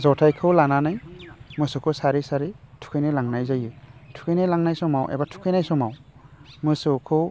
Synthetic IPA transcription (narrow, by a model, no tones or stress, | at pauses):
zɔtʰajkʰɯwlananajmɯsukʰɯsaɾisaɾitʰu̥kʰɯjnajlaŋnajzajɯtʰu̥kʰɯjnajlaŋnajsɔmawʔḛbatʰu̥kʰɯjnajsɔmawmɯsɯkʰɯw